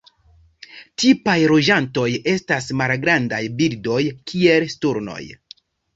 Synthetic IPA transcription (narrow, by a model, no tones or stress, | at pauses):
tipajɾo̞d͡ʒanto̞je̞stasmalɡɾandajbildo̞jkʰie̞lstuɾno̞̰j